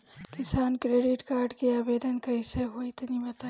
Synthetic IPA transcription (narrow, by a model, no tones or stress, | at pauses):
kɪsaːnkɾeːɖiʈkaːɾɖkiaːbeːd̪ənkɐjseɦoit̪ɐnibɐt̪a